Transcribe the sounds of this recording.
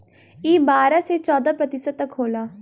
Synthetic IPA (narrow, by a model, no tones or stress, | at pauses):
iːbaːɾãːseːt͡ʃɔːd̪aːpɾət̪ɪsət̪̚ːəkɦoːlaː